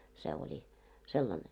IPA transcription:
se olʲi selːɑne

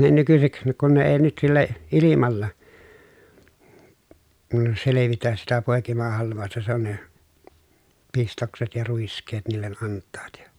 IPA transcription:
ne nykysik kun ne eː nyt silːæ ilimɑlːɑ seleʋitæs sitæ poˑekimɑhɑlʋˑɑˑostɑ se on ne pistokset jɑ ruiskˑeːt niːlːen ʔɑntˑɑːt jɑ

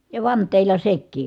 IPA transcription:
jɑ ʋɑntˑeˑilːɑ sekˑiː

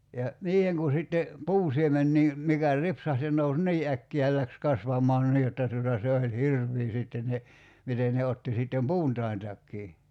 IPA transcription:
jɑ niːheŋ ku sitːe puːsiemenːiː mikæ ripsɑht se nous niː ækːiæ jɑ læks kɑsʋɑmɑːn niː jotːɑ tuotɑ se olʲ hirʋˑiː sitːen ne miten ne otːi sitːem puːntɑi̞ntɑkːiː

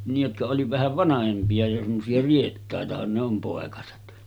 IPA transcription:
nij jotkɑ oli ʋæhæʋ ʋɑnɑhempiɑ jo semːosiɑ rietːɑˑetɑhɑn ne om poˑekɑset

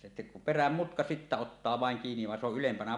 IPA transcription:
se peræm mutkɑ sitːæ otːɑː ʋɑˑeŋ kiːniʋ ʋɑ se oʔ ʔylempænæ

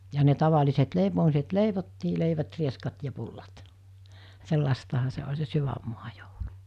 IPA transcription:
jɑ ne tɑʋɑliset leipomiset leiʋotːiː leiʋæt rieskɑt jɑ pulːɑt selːɑstɑhɑ se olʲ se syʋæmːuɑ joulu

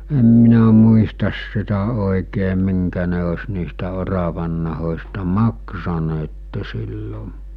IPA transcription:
em minæ muistɑs sitæ oˑikeː miŋkæ ne os niːstæ orɑʋɑnːɑhosʲtɑ mɑksɑneːtːe silːo

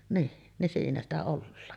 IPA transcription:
niː nin siːnæ stæ olːɑːn

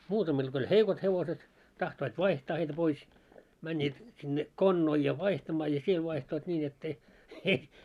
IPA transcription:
muːtɑmil ɡ̊o olʲ heikot heʋoset tɑhtoit ʋɑihtɑː heitæ pois mænːiːt sinːe konːoil jɑ ʋɑihtɑmɑː jɑ siel ʋɑihtoit nʲiːn etː ei ei

